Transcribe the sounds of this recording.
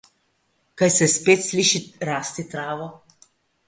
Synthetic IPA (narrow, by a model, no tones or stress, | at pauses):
kajsɛspeːt̪sliːʃiɾaːst̪it̪ɾaːʋɔ